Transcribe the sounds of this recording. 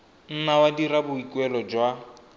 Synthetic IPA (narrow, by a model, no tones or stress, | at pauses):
n̩nawadiɾabʊikʼwɛlɔd͡ʒwa